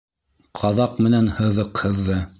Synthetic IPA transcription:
qʰɑðɑqmɘ̆nænhɤ̆ðɤqhɤ̆ðːɤ

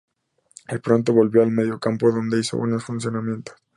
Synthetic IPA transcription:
epɾo̞nt̪̬o̞βo̞lβjo̞alme̞ðjo̞kampo̞ðo̞nd̪e̞iso̰βweno̞sfunsjo̞namje̞nt̪o̥s

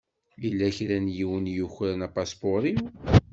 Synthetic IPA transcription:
lilːæçɾænjiwənjuçɾænæpɑspoɾˤi

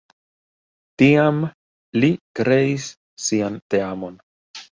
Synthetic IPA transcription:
tiam | likɾe̞isː | iante̞amo̞n

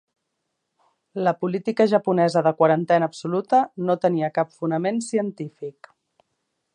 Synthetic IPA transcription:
ləpulit̪ikəʒəpunɛzəðəkwəɾənt̪ɛnəːpsulut̪ənot̪əniəkapfunəmensiənt̪ifik

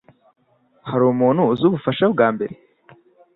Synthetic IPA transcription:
haɾuːmuːn̤̥huzuβufaʃabɡaːmbe̞ɾe

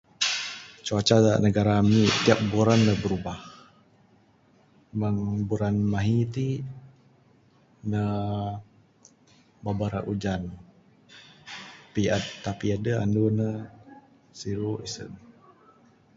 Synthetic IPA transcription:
t͡ʃuat͡ʃadaʔnəɡaɾamit̪iap̚buɾanːəbəɾubah | məŋbuɾanmaɦit̪i | nə | babaɾaʔud͡ʒan | piat̪ːapiadəa̰ndunə | siɾuʔisə̰n

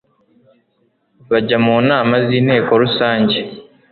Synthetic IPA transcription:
βaɟamuːnaːmaziːne̞ːkoɾusaːɲɟe

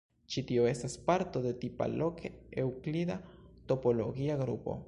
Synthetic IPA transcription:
t͡ʃit̪ioest̪aspaɾt̪oðet̪ipa̰lokeewklid̪at̪opoloɣiaɣɾṵpo̰

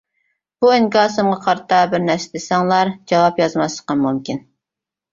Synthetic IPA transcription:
b̥uɪŋkɑːsɨmʁɑqʰɑɾt̪ɑbɪɾnæɾsɪd̪ɪsɑŋlˠɑɾd͡ʒɑwɑpjɑzmɑsˠə̥qɑnmumkʲin

